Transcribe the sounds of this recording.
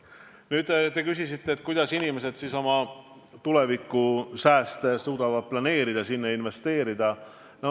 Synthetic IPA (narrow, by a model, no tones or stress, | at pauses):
nyːd̪t̪e̞kysisit̪ːe̞ːt̪̚ːˑkujd̪̥ɑsinime̞se̞d̪̥siso̞mɑ | t̪ulevikːˑusæːst̪suːd̪̥ɑvɑd̪̥̚plɑne̞ːɾid̪ɑsinːeinve̞st̪e̞ːɾid̪̥ɑ | no